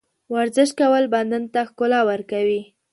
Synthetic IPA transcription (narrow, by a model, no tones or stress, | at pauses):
waɾzɪʃt̪̚kawəlband̪ant̪axkolɑwəɾkawi